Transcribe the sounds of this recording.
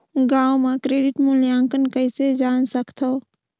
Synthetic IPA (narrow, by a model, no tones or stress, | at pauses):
ɡaːwmẽkɾeːɖɪʈmʊljãːŋkənkəɪsed͡ʒaːnsəkt̪ʰoː